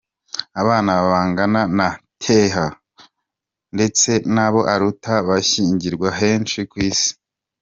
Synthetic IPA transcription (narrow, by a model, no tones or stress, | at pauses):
aβaːnaβaβaːŋɡananatʰeɦa | nde̞t͡se̞naβo̞ʔaɾutaβaçiːɲɟiɾɡwaɦe̞ːnʃikwiːsi̥